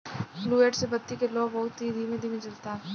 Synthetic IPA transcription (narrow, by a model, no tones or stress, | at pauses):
flueːʈsebɐt̪ːikeloːbɐɦʊt̪ɦid̪ʱiːmẽd̪ʱiːmẽd͡ʒɐlt̪aɦɛː